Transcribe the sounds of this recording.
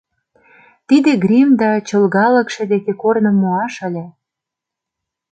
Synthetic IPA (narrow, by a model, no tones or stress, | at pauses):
t̪id̪eɡɾimd̪ɑt͡ɕɤ̆lɣɑlə̆kʃĕd̪ekekornɤ̆mːoɑʃə̆lʲĕ